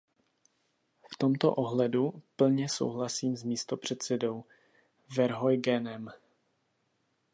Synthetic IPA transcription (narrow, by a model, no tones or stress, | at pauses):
ft̪o̞mt̪o̞̰ʔoɦlɛdupl̩ɲɛso̞̰wɦlasiːmzmiːst̪o̞pr̝̥ɛt̪sɛdo̞w | vɛɾɦojɡɛnɛm